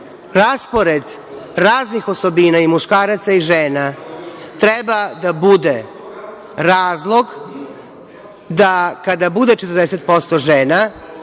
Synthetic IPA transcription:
ɾaspo̞ɾed̪ | ɾaːznixo̞so̞binaimuʃkaːɾat̪saiʒeːnat̪ɾebad̪abud̪e | ɾaːzlˠo̞ɡ | d̪akad̪abud̪e̞t͡ʃet̪ɨɾd̪eset̪̚po̞st̪o̞ʒeːna

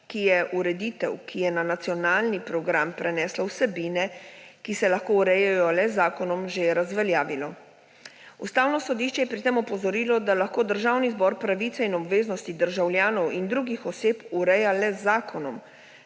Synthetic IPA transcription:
kijɛʔuɾɛd̪iːt̪ɛ̰wkʰijɛnanat̪sijɔnaːlnipɾɔɡɾampɾɛnɛːslawsɛbiːnɛkisɛlaxkoːuɾɛjajɔlɛzaːkɔnɔmʒeɾazʋɛljaːʋilɔ | ṵst̪aːwnɔsɔd̪iːʃt͡ʃɛjɛpɾit̪emɔpɔzɔɾiːlɔd̪alaxkoːd̪əɾʒaːwnizbɔɾpɾaʋiːt̪ɛinɔbʋeːznɔst̪id̪əɾʒawlʲjaːnɔwind̪ɾuːɡixɔseːpuɾɛjalɛzaːkɔnɔm

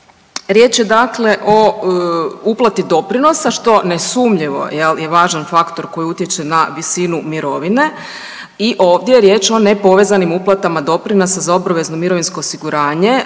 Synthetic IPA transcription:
ɾje̞ːt͡ʃjed̪akle̞ʔo̞ | uplˠat̪id̪o̞pɾino̞saʃt̪o̞nesumʎiʋo̞̰jelje̞ʋaːʒanfakt̪o̞ɾko̞jiut̪je̞t͡ʃe̞naʋisinumiɾo̞ʋine̞ | iʔo̞ːʋd̪jejeɾje̞ːt͡ʃo̞ne̞po̞ʋe̞zanimuplˠat̪amad̪o̞pɾinosazaobɾaʋe̞zno̞miɾo̞ʋinsko̞ːsiɡuɾaːɲe̞

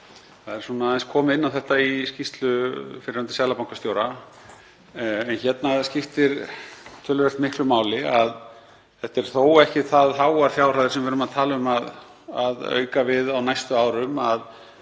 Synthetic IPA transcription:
θaðɛɾ̥sunajnskʰɔːmɪnːawθɛht̪aiscist̪lʏfɪɾɪɾant̪ɪ̥sɛːðlapawŋkḁst̪joːwɾa | ɛnçɛt̪nascɪft̪ɪɾt̪ʰʏːlːʏvɛl̥t̪mɪhklʏmaːwlɪað | θɛht̪ɛɾ̥θowɛhcɪθaðɦaːwaɾ̥θjaːwraðɪɾ̥sɛmvɛːɾʏmaðt̪ʰaːlaʏmað | aðœ̰ːɥkavɪðawnajst̪ʏaːwɾʏmað

